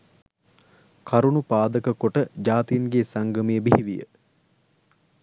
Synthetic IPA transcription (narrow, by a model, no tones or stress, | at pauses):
kʰaɾunupaːd̪əkəkoʈəd͡ʒaːt̪ijnɡeːsaŋɡəmijəbihiʋijə̰